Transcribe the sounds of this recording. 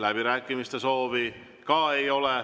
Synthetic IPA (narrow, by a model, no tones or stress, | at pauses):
læb̥iɾæːkːˑimist̪e̞so̞ːvi | kɑːejo̞le